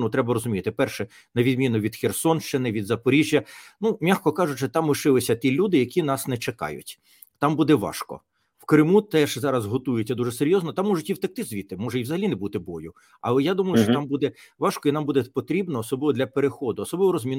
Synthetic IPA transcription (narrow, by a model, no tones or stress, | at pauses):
nut̪ɾɛbɐɾɔzʊmʲijt̪ɪpɛrʃɛ | nɐʋʲid̪mʲinʊʋʲid̪xʲersɔnʃt͡ʃɪnɪʋʲid̪zɐpɔɾʲiʒʲjɐnumʲaxkɔkɑʒʊt͡ʃɪt̪ɑmʋɪʃɪlˠɪsʲɐt̪ʲilʲud̪ɪjɐkʲinɑsnɛt͡ʃekɑ̰jʊ̰tʲ | t̪ɑmbud̪ɛʋɑ̰ʃkɔ̰ | wkɾɪmut̪ɛʒzɑɾɐzɦɔt̪ujɪt͡sʲːɐd̪uʐɛseɾʲjɔznɔt̪ɑmːɔʒʊtʲiwt̪ɐk̚t̪ɪzʋʲit̪ɪmɔʒɛiwzɐɦɐlʲinɛbut̪ɪbɔjʊ | ɐ̰lˠɛjad̪umɐjʊʃt͡ʃɔt̪ɑmbud̪ɛʋɑʃkɔinɑmbud̪ɛpɔt̪ɾʲibnɔːsɔblɪʋɔd̪lʲɐpeɾexɔd̪ʊɔsɔblɪʋɔɾɔzmʲin